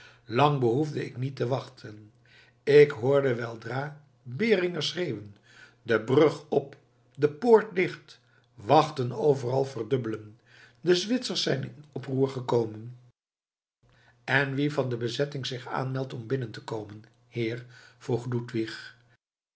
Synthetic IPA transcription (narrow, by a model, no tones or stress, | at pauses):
lɑŋbəɦuvdəɪknitəʋɑχtʰən | ɪkɦoːɹdəʋɛlˠdraː | bɪːrɪŋəsrejwən | dəbrɵχɔp | dəpoːɹtlɪχt | ʋɑχtənowvərɑlˠvərdɵbələn | dəzʋɪtsəɹsɛjnɪnɔpruːɹχəkowmən | ɛnʋivɑndəbəzɛtɪŋzɪχa̰ːnmɛlˠtɔmbɪnəntəkowmən | hɪːɹv̥ruχlutʋiχ